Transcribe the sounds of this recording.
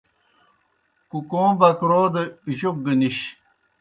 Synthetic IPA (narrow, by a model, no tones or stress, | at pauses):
kukõːbɐkɾoːd̪əiʑok̚ɡəniɕ